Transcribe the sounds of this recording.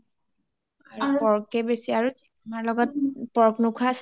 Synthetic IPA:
aɹpɔɹkɛbesiaɹu | amaɹlɔɡɔt̚pɔɹknʊkʰʊas

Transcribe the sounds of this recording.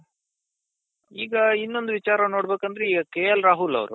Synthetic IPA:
iːɡɐinːo̞nd̪uʋit͡ʃaːɾɐnoːɽbeːkɐnd̪ɐɾeiːɡɐkeːjɐlɾaːɦulɐ̰ʋɾṵ

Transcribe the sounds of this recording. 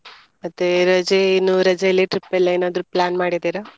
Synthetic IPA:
mɐt̪ːeɾɐd͡ʒeinːuɾɐd͡ʒelːiʈɾipːelːɐeːnaːd̪ɾuplaːnmaːɽid̪iɾɐ

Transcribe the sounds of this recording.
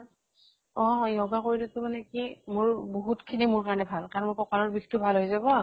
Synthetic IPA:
ɔ̃jɔɡakoɹidutʊmanɛkimʊɹboɦutkʰinimʊɹkaɹɔnɛbʱalkaɹnmʊkɔkaɹɔɹbixtʊbʱalɦojzabɔ

